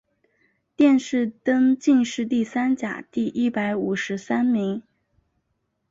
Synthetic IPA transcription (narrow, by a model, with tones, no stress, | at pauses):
t̪jɛ˥˧nʂɻ̩˥˧t̪ɤ˥ŋt͡ɕi˥˧ŋʂɻ̩˥˧t̪i˥˩sa˥nt͡ɕja̰˨˩t̪i˥˩ʔi˥˩pa˧˥ɪu˨˩ʂɻ̩˧˥sa˥nmi˧˥ŋ